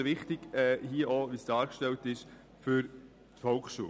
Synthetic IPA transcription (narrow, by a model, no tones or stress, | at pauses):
ʋɪχtɪɡɛːhiəʔoʋisd̥ɑːɾkʃtɛltɪʃ | fʏɾ | tfɔlkχʃṵə